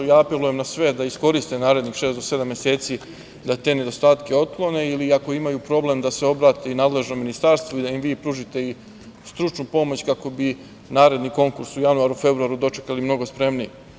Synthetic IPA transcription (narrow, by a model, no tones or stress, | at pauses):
jaːape̞luje̞mnasʋe̞d̪aisko̞ɾist̪enaːɾe̞d̪nixʃeːsd̪o̞se̞d̪amje̞se̞ːt̪si | d̪at̪e̞ːne̞d̪o̞st̪aːt̪ke̞o̞t̪̚klˠo̞ne̞iliako̞imajupɾo̞ble̞md̪ase̞o̞bɾaːt̪einaːd̪le̞ʒno̞minist̪aɾst̪vʋoid̪aimʋiːpɾuːʒit̪e̞i | st̪ɾut͡ʃnupo̞mo̞t͡ɕkako̞bi | naːɾe̞d̪niko̞ŋkuɾsujanuaɾufe̞bɾuaɾud̪o̞t͡ʃe̞kalimno̞ɡo̞spɾe̞mnije